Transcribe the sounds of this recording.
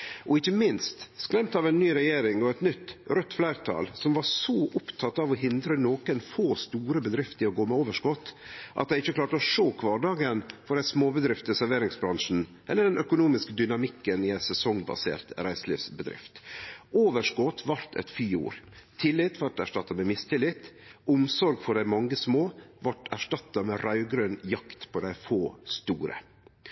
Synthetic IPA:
ʔɔɪçːəmɪnst̪skɾɛmt̪ɑʋɛnːyːɾɛjeːɾɪŋɔɛt̪nʏt̪ːɾœt̪ːflæɪɾt̪ʰɑ̰ːlsɔmʋɑɾsoːʔʊpt̪ʰɑt̪ːɑʋɔɦɪnd̪ɾənoːkənfoːst̪uːɾəbəd̪ɾɪft̪ɪɔɡoːmɛoːʋəʂkɔt̪ːʔɑ̰t̪̚d̪æɪɪçːəkʰlɑːʈəɔʂoːkʰʋɑːɖɑːɡənfɔɾɛsmoːbəd̪ɾɪft̪əsæɾʋeːɾɪŋsbɾɑŋʂn̩ | ʔɛlːəɖɛnʔœkʊnuːmɪskəd̪ʏnɑmɪkːənɪæɪsɛsɔŋbɑ̰sḛːɾt̪ɾæɪslḭːfsbəd̪ɾɪ̰ft̪ʔoːʋəʂkɔt̪ːʋɑɾt̪ʰɛ̰t̪fyːṵːɾt̪ʰɪlɪt̪ʋɑʈæʂʈɑt̪ːɑmɛmɪst̪ʰɪlɪt̪ʊmsɔɾɡfɔɖæɪmɑŋːəsmoːʋɑʈæʂʈɑt̪ːɑmɛɾɑʉɡɾøːnjɑkt̪pʰɔd̪æɪfoːst̪uːɾə̰

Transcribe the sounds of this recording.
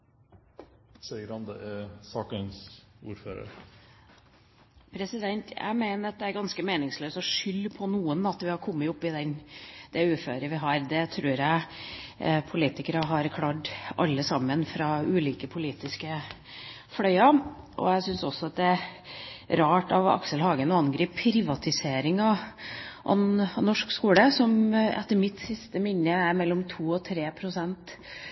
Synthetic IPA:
sɛɪəɾɑnd̪ə̰ʔɛsɑːkənsṵːɾfø̰ːɾə̰ɾ | pʰɾɛsɪd̪ɛnt̪ʰjæ̰ɪmeɪnəɾɑt̪̚d̪ɛæɾɡɑnskəmeːnɪŋsløːsɔʂʏlːpʰɔnuːənɑt̪ʋɪhɑɾkʰɔmːəʊpːɪd̪ɛnd̪̥ɛʉːføːɾəʋɪɦɑːɾd̪ɛt̪ʰɾʉːɾjæɪ | pʰʊliːt̪ɪkəɾəɦɑɾkʰlɑɖʔɑ̰lːəsɑmːənfɾɑʉːliːkəpʰʊliːt̪ɪskə | fɽœʏɑ | ʔɔ̰æsʏnsɔsːɔɑt̪̚d̪ɛ | ɾɑːʈɑ̰ʋɑ̰kʂəlhɑːɡənɔɑnɡɾiːpʰɾɪʋɑt̪ɪseːɾɪŋɑ | ʔɑ̰nnɔʂkskuːləsɔmɛ̰t̪ːəɾmɪt̪sɪst̪əmɪnːəæɾmɛlːɔmt̪ʰuːɔt̪ʰɾeːpʰɾʊsɛnt̪

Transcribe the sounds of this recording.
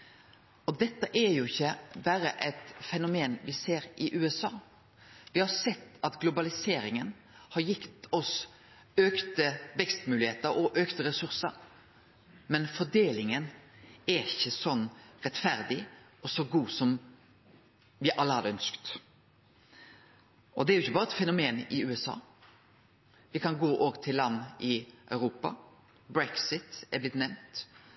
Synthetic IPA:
ɔd̪ɛt̪ːəʔɛjʊɪçːəbæːɾəʔɛt̪fɛnʊmeːnʋɪseːɾʔɪʔʉːɛsɑː | ʋɪhɑɾsɛt̪ːɑt̪ɡlʊbɑlɪseːɾɪŋən | hɑɾjɪkt̪ɔs | øːkt̪əʋɛkst̪mʉːlɪheːt̪əɾɔʔøːkt̪əɾɛsʉɾsə̰ɾ | mɛnfɔɖ̪eːlɪŋənæɾɪçːəsɔnːɾɛt̪ːfæɾd̪ɪ | ɔsɔɡuːsɔm | ʋɪʔɑlːəɑd̪əœnskt̪ | ʔɔd̪ɛæɾjʊɪçːəbɑːɾəɛt̪fɛnʊmeːnɪʉːɛsɑ̰ː | ʋɪkʰɑnɡoːʔoːʋət̪ʰɪlːɑnːɪʔœʉɾuːpɑ̰ | bɾɛksɪt̪æblɪt̪nɛmt̪

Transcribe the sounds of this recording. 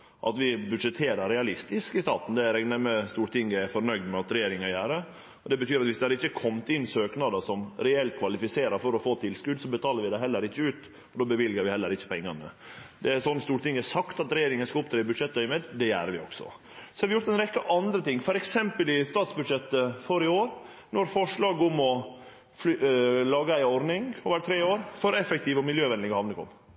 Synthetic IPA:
ʔɑ̰t̪ʋɪbʉd̪ʂɛt̪ʰeːɾəɾɾɛɑlɪst̪ɪskɪst̪ɑːt̪n̩d̪ɛæɾɛɡnæɾməst̪uːɾt̪ɪŋəæɾfɔɾnœʏd̪mɛɑt̪ɾɛjeːɾɪŋɑjæːɾə | ɔd̪ɛbət̪ʰyːɾɑt̪ʋɪsd̪ɛhɑɾɪçːəkʰɔmt̪ɪnsøːknɑd̪əʂɔmɾɛɛlt̪̚kʰʋɑlɪfɪseːɾəɾfɔɾɔfoːt̪ʰɪlskʉd̪sɔbət̪ʰɑːləɾʋɪd̪ɛɦɛlːəɾɪçːəʉːt̪ | ɔd̪oːbəʋɪlɡəɾʋɪhɛlːəɾɪçːə̥pʰɛŋːɑnə | d̪ɛæɾsɔnːst̪uːɾt̪ɪŋːæsɑkt̪ɑt̪ɾɛjeːɾɪŋənskɑʊp̚t̪ʰɾeːbʉd̪ʂɛt̪̚ːd̪œʏəmeːd̪d̪ɛjæːɾʋɪɔ̰ɡsɔ̰ | sɔ̥hɑɾʋɪjʊɾt̪ɛnɾɛkːəʔɑnd̪ɾət̪ɪŋːfɔɾɛksɛmpəlɪst̪ɑːt̪sbʉd̪ʂɛt̪ːəfɔɾɪoːɾ | nɔɾfɔʂɭɑːɡʊmɔ | fllɑːɡəæɪɔɾnɪŋɔʋæːɾt̪ʰɾeːoːɾfɔɾɛfɛk̚t̪ʰɪːʋɔmɪljøːʋɛnd̪ɪŋəhɑʋnəkʰɔ̰m

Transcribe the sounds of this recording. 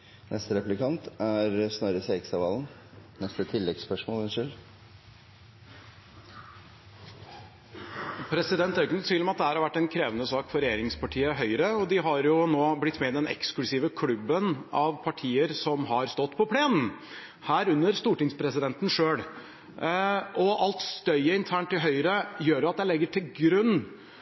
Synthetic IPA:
nʔɛst̪əɾɛplɪkʰɑnt̪æɾsnɔɾəseːksɑʋɑːln̩ | nɛst̪ət̪ʰɪlːɛɡspœʂmoːlɛnʂɪl | pʰɾɛsɪd̪ɛnt̪æɾjɪkːənɔt̪ʋiːləmɛɑt̪̚d̪ɛhæːɾhɑɾʋæʈːɛnkʰɾeːʋənəsɑːkfɔɾɛjeːɾɪŋspɑʈʰiːəɦœʏɾəɔd̪ɪɦɑɾjʊnoːblɪt̪ːmɛd̪ɛnɛ̰ksklʉsiːʋəkʰlʉbːənɑʋpʰɑʈʰiːəɾsɔmɦɑɾst̪ɔt̪ːpʰɔpʰleːnn̩ | hæːɾʉnːəɾst̪uːʈɪŋspʰɾɛsɪd̪ɛnt̪nʂøːɽ | ʔɔʔɑlt̪st̪œʏəɪnt̪ʰæːɳʈ̪ːɪlɦœʏɾəjøːɾjʊɑt̪̚d̪ɛlɛɡːəʈʰɪlɡɾʉnː

